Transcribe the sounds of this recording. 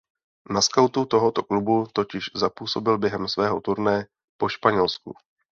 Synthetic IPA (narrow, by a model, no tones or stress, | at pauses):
naskawt̪ut̪o̞ɦo̞t̪o̞klubut̪o̞cɪʃzapuːso̞bɪlbjɛɦɛmsvɛːɦo̞t̪uɾnɛjɛ | po̞ʃpaɲɛlskṵ